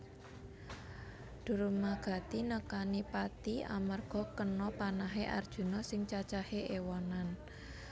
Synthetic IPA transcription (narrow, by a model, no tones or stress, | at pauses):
d̪̥ṳɾumaɡ̥a̤t̪inəkanipat̪ia̰mərɡ̥ɔ̤kənɔpanaɦeʔa̰rd̥ʒ̥ṳnɔsɪŋt͡ʃat͡ʃaheʔewɔnan